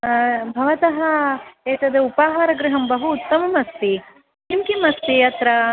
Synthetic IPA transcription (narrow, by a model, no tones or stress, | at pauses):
bʱɐʋɐt̪ɐɦɐeːt̪ɐd̪eupaːɦaːɾɐɡɾɪɦɐmbɐɦuːt̪ːɐmɐmɐst̪i | nimkimɐst̪iɐt̪ɾɐ